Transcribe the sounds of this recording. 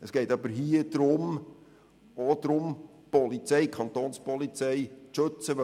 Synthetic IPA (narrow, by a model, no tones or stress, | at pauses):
əsɡ̥ɛɪtɑbəɾɦiəd̪̥ɾʊm | od̪̥ɾʊm | pɔlit͡sɛɪkʰɑnt̪onspɔlit͡sɛjʃɵt͡səʋ